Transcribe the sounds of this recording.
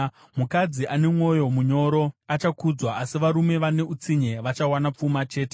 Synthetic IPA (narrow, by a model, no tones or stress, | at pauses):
mukad͡ziʔane̞mwo̞jo̞muɲo̞ːɾo̞at͡ʃakud͡zwaasiʋaɾume̞ʋane̞ut͡siɲe̞ʋat͡ʃawanap͡fumat͡ʃe̞ːte